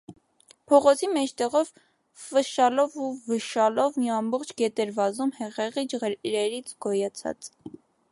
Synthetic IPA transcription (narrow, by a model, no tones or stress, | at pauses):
pʰɔʁɔt͡sʰimɛt͡ʃʰt̪ɛʁɔv | vəʃɑlɔvuvəʃɑlɔvmiɑmbɔχt͡ʃʰɡɛt̪ɛɾvɑzumhɛʁɛʁid͡ʒʁɾɛɾit͡sʰɡɔjɑt͡sʰɑ̰t͡s